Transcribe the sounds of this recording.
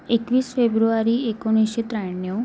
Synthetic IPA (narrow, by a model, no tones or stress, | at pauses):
ekʋiːsfebɾuaɾiːekoñiɕet̪ɾajɳjo